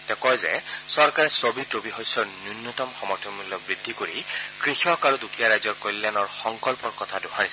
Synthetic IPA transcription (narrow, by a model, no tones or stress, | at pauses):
tɛkɔjzɛ̰sɔɹkaɹɛsobitɹobiɦɔjsɔɹnjunːɔt̪ɔmxɔmɔɹtʰɔmulːɔbɹidʱːikoɹikɹixɔkaɹudukʰijaɹajzɔɹkɔlːjanɔɹxɔŋkɔlpɔɹkɔt̪ʰadʊhaɹisɛ